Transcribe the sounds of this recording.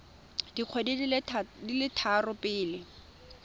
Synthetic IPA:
d̥iq͡χʰwedidilɪtʰarʊpɪːlɪ

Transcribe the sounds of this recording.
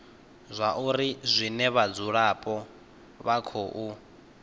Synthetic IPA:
zʷaʔuɾizʷinɛβad͡zuɺapʼɔ | βakʰoʔu

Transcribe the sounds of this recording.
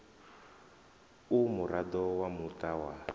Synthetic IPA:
umuɾʔadɔwamutʼawa

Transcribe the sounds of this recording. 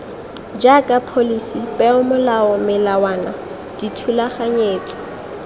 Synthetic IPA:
d͡ʒakʼapʰolisipʼɛʊmʊlaɔmɪlawaːna | d̥itʰulaχaɲeːkʼɔ̥

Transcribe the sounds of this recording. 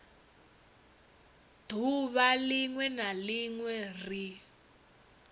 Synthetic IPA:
d̥ʱuβaliŋwɛnaliŋwɛri

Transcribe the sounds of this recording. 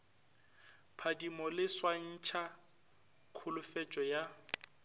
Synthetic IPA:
pʰadimɔlɪswan̩t͡ʃʰa | kʰʊlʊfɛt͡ʃʼɔja

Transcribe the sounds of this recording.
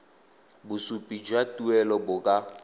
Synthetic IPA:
bʊsupʼid͡ʒwatʼuɛlɔbʊkʼa

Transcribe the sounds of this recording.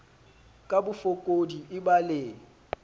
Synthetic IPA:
kʼabʊfokʼodiɪbaleː

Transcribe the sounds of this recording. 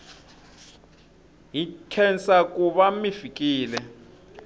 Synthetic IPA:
ɦitʰɛnsak̬ʼuβamifikʼiːlɛ

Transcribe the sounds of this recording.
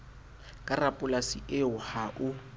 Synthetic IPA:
kʼarapʼʊlasiʔɪʊhaʔʊ

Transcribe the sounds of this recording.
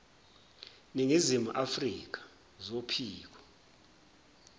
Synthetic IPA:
niŋizimṵʔafrik̬ḁ | zopʰiːk̬ɔ̥

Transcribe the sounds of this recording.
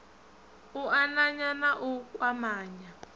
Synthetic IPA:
uanaɲanaʔukʼwamaːɲa

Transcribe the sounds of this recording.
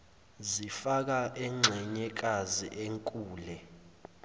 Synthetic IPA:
zifak̬aʔɛŋ͡ǀʱɛɲɛk̬azḭʔeŋkʼuːlɛ

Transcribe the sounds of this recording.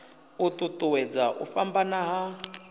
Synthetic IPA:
ut̪ʼutʼuwɛd͡zaʔṵɸambanaɦa

